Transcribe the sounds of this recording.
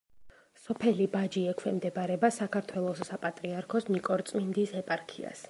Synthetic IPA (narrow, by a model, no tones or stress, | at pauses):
sɔpʰɛlibad͡ʒiɛkʰwɛmd̪ɛbaɾɛbasakʰaɾt̪ʰwɛlˠɔssapʼat̪ʼɾiaɾkʰɔsnikʼɔɾt̪sʼmind̪isɛpʼaɾkʰḭa̰s